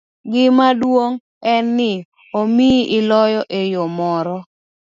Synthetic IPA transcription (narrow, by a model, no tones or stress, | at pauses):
ɡɪmadwoŋ | ɛnːɪ | omiɪlɔjɔʔejomɔɾɔ